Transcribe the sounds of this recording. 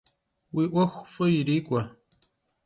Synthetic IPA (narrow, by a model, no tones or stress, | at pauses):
wiːʔʷɐxʷfɨjiɾiːkʷʼɐ